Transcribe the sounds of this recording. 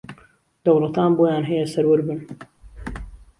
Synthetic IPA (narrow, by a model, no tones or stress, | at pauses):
d̪ɐwlˠɐt̪ʰaːnboːjaːnɦɛjɛsɐɾwɨɾbɨn